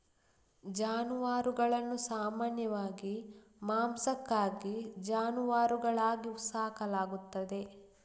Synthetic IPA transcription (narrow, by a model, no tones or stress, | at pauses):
d͡ʒaːnuʋaːɾuɡɐɭɐnːusaːmaːnjɐʋaːɡi | maːmsɐkːaːɡid͡ʒaːnuʋaːɾuɡɐɭaːɡiusaːkɐlaːɡut̪ːɐd̪e̞